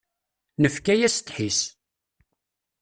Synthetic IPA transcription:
nəfkæjæsə̥t̪ħis

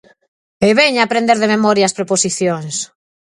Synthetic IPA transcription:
eβɛɲapɾẽnd̪eɾðememɔɾjaːspɾeposiθjoŋs

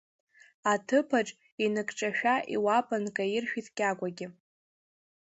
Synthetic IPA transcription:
atʰɨpʰaʈ͡ʂʼ | inɨkʼʈ͡ʂʼaʃᶣaʔḭwapʼankʼajɪrʃᶣitʰʼɡʲʼaɡʷaɡʲɪ

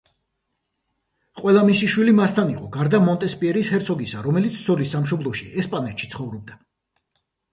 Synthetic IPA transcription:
qʼwɛlˠamisiʃwilimast̪ʰaniqʼɔɡaɾd̪amɔnt̪ʼɛspʼiɛɾishɛɾt̪sʰɔɡisaɾɔmɛlit̪sʰsɔlisːamʃ̬ɔblˠɔʃiɛspʼanɛt̪ʃit̪sʰχɔvɾɔb̚d̪a

